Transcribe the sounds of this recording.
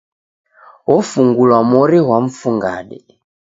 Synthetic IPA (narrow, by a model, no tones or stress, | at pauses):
ɔfuŋɡulwamɔɾɛɦwaɱ̩fuŋɡa̰ɗɛ